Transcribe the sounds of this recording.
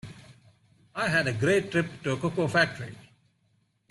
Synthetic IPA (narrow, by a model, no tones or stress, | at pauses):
aɪɦæɖəɡɾeːʈːɾɪpʈuəkʊkoːfæk̚ʈəɾḭ